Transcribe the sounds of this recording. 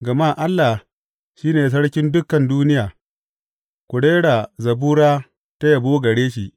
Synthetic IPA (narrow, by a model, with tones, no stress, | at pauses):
ɡɐ˨maː˦˨ʔa˦lːa˨ | ʃiː˦neː˨s̬ɐ˦ɽkʲɪ˦ndʊ˦kɐ˨nduː˦nɪ˦jaː˨ | kʷʊ˨ɽeː˦ɽa˨zɐ˨buː˦ɽaː˦ | ta˦jɐ˨boː˦ɡɐ˨ɽeː˦ʃi˨ʔ